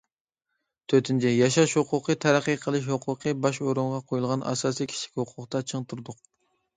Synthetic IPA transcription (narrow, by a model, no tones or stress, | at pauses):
t̪ʰøt̪ʰɪnt͡ʃʰɪjɑʃɑʃhoqʰʊqʰət̪ʰæɾæqːəqʰəlˠɨʃ̬hoqʰʊqʰɨbɑʃoɾuɴʁɑqʰojulˠʁɑnʔɑ̰sɑːsikʲʰi̥t͡ʃʰi̥kʲhoqʰʊqt̪ɑt͡ʃʰəŋt̪ʰuɾd̪ʊq̚